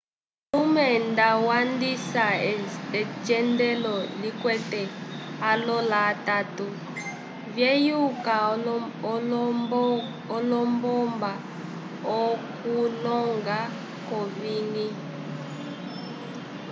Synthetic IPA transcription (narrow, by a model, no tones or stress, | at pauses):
lumɛndawandisaɛd͡ʒɛndɛlɔlikwɛtɛalɔlatatu | vjejukaɔ | ɔlɔmbɔmba | ɔkulɔŋɡa | kɔviːni